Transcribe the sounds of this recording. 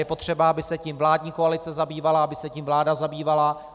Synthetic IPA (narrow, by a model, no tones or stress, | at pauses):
jɛpo̞t̪r̝̥ɛbaabɪsɛciːmvlaːdɲiːkoalɪt͡sɛzabiːvalaabɪsɛciːmvlaːdazabiːvala